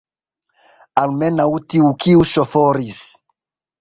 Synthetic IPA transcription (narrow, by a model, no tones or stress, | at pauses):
almɛnaut̪iukʰiuʃɔfɔɾis